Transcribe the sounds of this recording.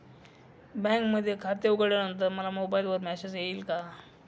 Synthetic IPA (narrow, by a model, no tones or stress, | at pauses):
bɛ̃ŋkməd̪ʱːjekʰat̪euɡəɽjanənt̪əɾməlamobailʋəɾmɛɕed͡zjeiːlka